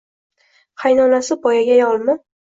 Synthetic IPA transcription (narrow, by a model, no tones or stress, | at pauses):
qʰajnɒnasɪbɒjaɡʲajɒlˠmɪ